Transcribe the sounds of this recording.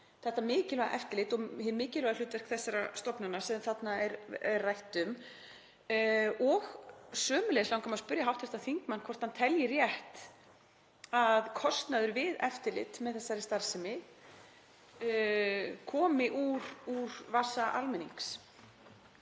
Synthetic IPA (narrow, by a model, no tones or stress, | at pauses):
θɛht̪ːamɪːcɪlɛɣaʔɛft̪ɪlɪt̪ɔɣhɪɾmɪːcɪlɛɣalʏːt̪vɛr̥kθɛsːaɾast̪ɔpnanːasɛθat̪naɛɾɛrrajht̪ʏm | ɔɣsœːmʏlɛðɪslawŋkamaspʏɾjaɦawht̪vɛɾ̥ht̪anθiŋkmanːkʰvɔr̥t̪hant̪ʰɛljɪrjɛht̪ | aðkʰɔst̪naðʏɾvɪðɛft̪ɪlɪ̰t̪mɛðθɛsːaɾɪst̪aɾ̥sɪmɪ | kʰɔːmɪʔuɾuɾ̥vasaʔa̰lmɛnḭŋks